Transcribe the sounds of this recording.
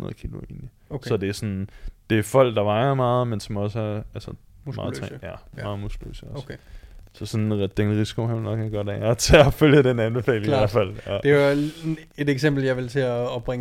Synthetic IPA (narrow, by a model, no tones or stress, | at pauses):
hunɐð̩ˠkʰiloe̝ːni | sɒ̽d̥e̝æɐsɒ̽nd̥e̝æfɒ̽l̰ɡ̥d̥ɑ̈ʋɑ̈ɪɐmɑ̈ːð̩ˠmensɒ̽mɒ̽sæælsə | mɑ̈ːð̩ˠt͡sʰːjæmmɑ̈ːð̩ˠmosɡ̥lø̰səɒ | sɒ̽sɒ̽nd̥enʁisi̥kʰo̝hɑʋlnɒɡɑɡ̥ɒɐdæ̰æt͡sʰe̝ɒføljəd̥enænb̥e̝fɛ̰ːleælæfæl̰ɒd̥eae̝deɡ̥sem̰b̥l̩jɑ̈ɪʋelt͡sʰe̝æɒb̥̚b̥ʁɛŋ